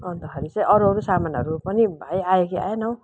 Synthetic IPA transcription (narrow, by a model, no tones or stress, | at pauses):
ʌnt̪ʌkʰaɾit͡sʌj̃ʔʌɾuɦʌɾusamanʌ̰ɾupʌnibʱajajekia̰jenʌw